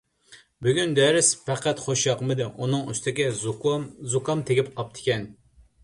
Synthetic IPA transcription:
byɡʲynd̪ɛɾɪspæqʰæt̪χoʃjɑqmɨd̪ɨʔunɨŋyst̪ʰɪɡʲɛ | zukɑmt̪ʰeɡʲɪp̚qʰɑp̚t̪ʰɪ̥kʲɛn

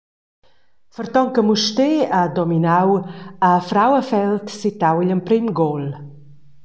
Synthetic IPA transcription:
fəɾt̪ɔŋkəmuʃt̪ead̪ɔminawafɾawəfɛlt̪sit̪awiʎəmpɾimɡɔl

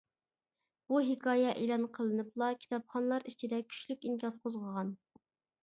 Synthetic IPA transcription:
b̥uɦɪkʰɑːjɛʔelˠɑnqʰəlˠɨnɨplˠɑkʲʰi̥t̪ʰɑpχɑnlˠɑɾit͡ʃʰid̪ɛkʲʰy̥ʃlykʲiŋkʲɑsqʰozʁəʁɑn

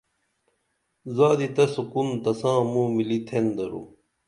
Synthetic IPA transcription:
zaːd̪it̪ɐsukunt̪ɐsãːmũːmilit̪ʰend̪ɐɾṵː

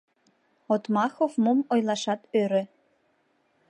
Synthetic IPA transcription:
ot̪mɑxovmomojlˠɑʃɑt̪øɾø̆

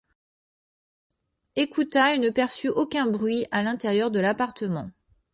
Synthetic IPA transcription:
ekut̪aenəpɛʁsyʔokʲɛ̃bʁɥialɛ̃t̪ɛʁjœʁd̪əlapaʁt̪əmɑ̃

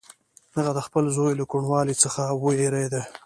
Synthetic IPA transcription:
d̪əɣad̪əxpəlzojlakoɳwɑlit͡səxawəeɾejd̪a

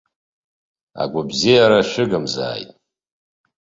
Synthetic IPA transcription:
a̰ɡʷabzijaɾaʃɪɡamza̰ːjtʼ

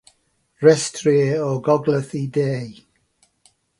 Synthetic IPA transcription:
rɛstʰriɔɡɔɡlˠəθideːj

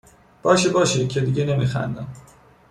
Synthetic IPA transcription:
b̥ɒːʃebɒːʃecʰe̞d̪iɟene̞miːxæ̰nd̪æm

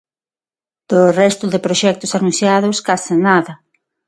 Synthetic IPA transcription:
d̪̥ʊrɛst̪ʊðɪpɾoʃɛk̚t̪ʊsanũnθjaðʊskasɪnaðɐ

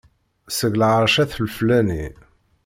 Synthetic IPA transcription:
səɣlʕəɾˤʃæθəlflæni

